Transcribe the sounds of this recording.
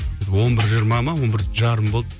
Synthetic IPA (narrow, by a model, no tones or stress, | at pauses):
d̪wo̞nbɪɾʒəɾmɑmɑwo̞nbɪɾʒɑɾəmbo̞lˠd̪